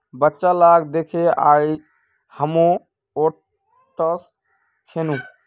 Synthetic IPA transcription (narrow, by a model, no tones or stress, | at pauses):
bətːʃalaɡd̪ekʰea̰i | həmõ | o | ʈəs | kʰenũ